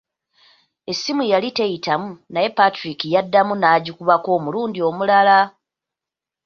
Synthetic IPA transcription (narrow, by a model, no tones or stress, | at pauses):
e̞sːimujalite̞jitamunaje̞patɾikijadːamunaːɟukuβako̞ːmuluːndio̞mulala